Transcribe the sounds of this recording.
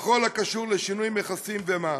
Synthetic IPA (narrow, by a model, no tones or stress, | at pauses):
χo̞lakaʃuʁleʃinujmeχasimvema